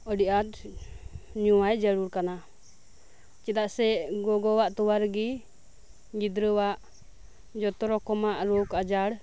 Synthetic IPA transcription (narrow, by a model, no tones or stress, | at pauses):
ɔɖiʔat̪ | ɲuwajd͡ʒəɽuɽkana | t͡ʃɛt̪aʔsɛʔɡɔɡɔwaʔt̪ɔwaɾɡi | ɡid̪ɾəwaʔ | d͡ʒɔt̪ɔɾɔkɔmaʔɾokad͡ʒaɽ